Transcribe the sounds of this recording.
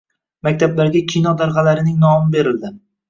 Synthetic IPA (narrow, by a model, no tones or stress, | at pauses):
mak̚ʲt̪ʰablaɾɡʲakʲʰinɒd̪aɾʁɑlaɾɪnɪŋnɒmɪbe̞ɾɪld̪ɪ